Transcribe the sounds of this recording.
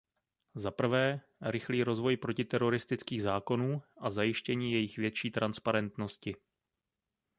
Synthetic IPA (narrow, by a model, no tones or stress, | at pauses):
zapr̩vɛː | ɾɪxliːɾo̞zvo̞jpɾo̞cɪt̪ɛɾo̞ɾɪst̪ɪt͡skiːɣzaːko̞nuːʔazajɪʃcɛɲiːjɛjɪxvjɛtt͡ʃiːt̪ɾʔanspaɾɛnt̪no̞scɪ